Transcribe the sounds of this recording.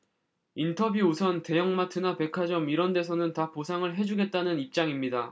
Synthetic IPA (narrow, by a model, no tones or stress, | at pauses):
intʰʌbjuusʰʌnte̞jʌŋmatʰɯnape̞kʰad͡ʑʌmiɾʌnde̞s̬ʰʌnɯntaposʰaŋɯɭɦe̞d͡ʑuɡe̞t̚t͈anɯnip̚t͡ɕ͈aŋimɲida